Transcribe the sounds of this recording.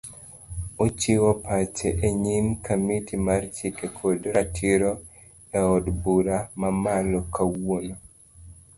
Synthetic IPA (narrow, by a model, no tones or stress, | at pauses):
ot͡ʃiwɔpat͡ʃeʔeɲimkamitʰimart͡ʃikekʰodɾatʰiɾo | ɛɔdbuɾamamalɔkawono